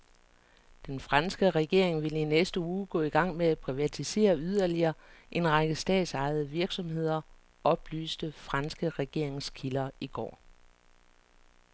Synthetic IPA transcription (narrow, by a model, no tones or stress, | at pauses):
d̥enfʁɑ̈nsɡ̥əʁɛɡ̥e̝ɐ̰eŋʋelinesd̥əuːɡ̥ɔ̰̽ːiɡ̥ɑ̈ŋ̰meæpʰʁiʋæt͡sʰise̝̰ːɐyð̞ˠɐliɐːʔe̝nʁɑɡ̥əsd̥ɛ̰ːd̥sɑ̈ɪð̞̩ˠəʋiɐɡ̥sɒ̽mhe̝ð̞̰ˠɐ | ɒ̽b̥ly̰ːsd̥əfʁɑ̈nsɡ̥əʁɛɡ̥e̝ɐ̰eŋskʰilɐiɡ̥ɒ̰ː